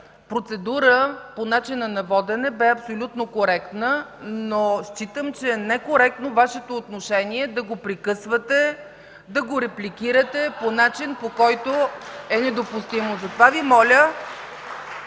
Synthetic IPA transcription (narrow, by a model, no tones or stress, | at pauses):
pɾot̪sɛd̪uɾəponat͡ʃinənɐvɔd̪ɛnɛbɛɐpsolʲut̪nokoɾɛkt̪nənoʃt͡ʃit̪əmt͡ʃɛnɛkoɾɛk̚t̪novaʃɛt̪oːt̪noʃɛniɛd̪ɐɡopɾikɤsvət̪ɛ | d̪ɐɡoɾɛplʲikiɾət̪ɛponat͡ʃinpokɔjt̪oɛnɛd̪opust̪imozɐt̪ovavimɔlʲə